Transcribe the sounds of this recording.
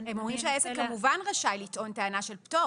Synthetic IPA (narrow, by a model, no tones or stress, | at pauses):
hemomʁimʃeaesekkːamuvanʁaʃajlit̪ʔo̞ntaːnaʃe̞lpto